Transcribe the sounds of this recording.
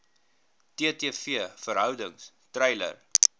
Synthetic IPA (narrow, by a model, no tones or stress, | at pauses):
tiətiːfiəfəɾɦœwdəŋs | trɛjlə̰r